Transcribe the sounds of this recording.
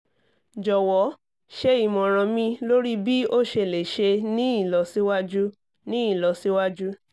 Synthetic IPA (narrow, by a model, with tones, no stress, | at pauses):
d͡ʒɔ˨wɔ˨˦ | ʃe˧i˨mɔ̃˨ɾ̃ɔ̃˨mĩ˧lo˦ɾi˦bi˦o˦ʃe˧˨le˨ʃe˧nĩ˦i˦˨lɔ˨˦si˦wa˦d͡ʒu˦ | nĩ˦i˦˨lɔ˨˦si˦wa˦d͡ʒu˦